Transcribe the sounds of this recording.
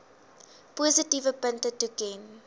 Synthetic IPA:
puːzətivəpəntətukɛn

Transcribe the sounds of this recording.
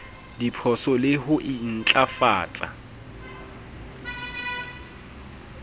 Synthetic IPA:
dipʰɔsɔlɪhʊʔɪn̩t͡ɬʼafa̰ːt͡sʼa̰

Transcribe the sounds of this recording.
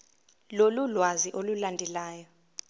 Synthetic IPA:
lolulwaziʔolulandʱɛlaːjɔ

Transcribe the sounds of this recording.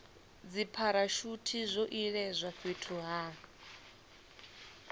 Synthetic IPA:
d͡zipʰaɾaʃutʰizʷɔʔiɺɛzʷafitʰuɦa

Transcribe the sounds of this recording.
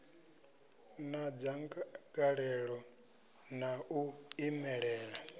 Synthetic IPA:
nad͡zaŋɡaɺɛɺɔ | nauimɛɺɛːɺa

